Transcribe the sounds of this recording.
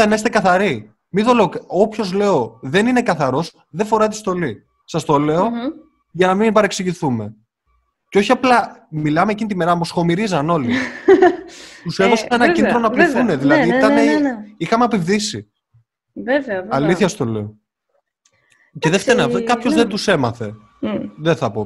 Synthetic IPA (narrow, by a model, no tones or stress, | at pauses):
ɐnɐist̪ekɐθɐɾi | miðole̞okopço̞zle̞o̞ðenine̞kɐθɐɾo̞s | ðefo̞ɾɐt̪i̥st̪o̞li | sɐst̪o̞le̞o | ʝɐnɐmibɐɾeksiʝiθume̞ | ceo̞çiɐplɐmilɐmecinit̪ime̞ɾɐmosxo̞miɾizɐno̞li | t̪useðosenɐcind̪ɾonɐpliθuneðilɐðiit̪ɐneixɐmeɐpivðisi | veveɐɐliθçɐst̪o̞le̞o | ce̞ðeft̪eɾnkɐpço̞zðend̪use̞mɐθe̞ | ðeθɐpo̞